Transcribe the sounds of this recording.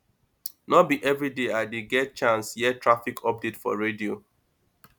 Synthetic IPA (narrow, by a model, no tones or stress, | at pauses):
nɔbiʔɛvɹideaɪdeɡɛt̚t͡ʃãnsjɛtɹafikʰɔp̚ditfɔ̰ɹedio